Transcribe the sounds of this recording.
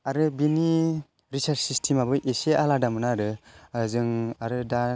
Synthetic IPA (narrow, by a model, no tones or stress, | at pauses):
aɾɯbini | ɾisaɾt͡ʃsistʰimabɯʔeseʔaladamɯnaːɾɯzɯŋaɾɯda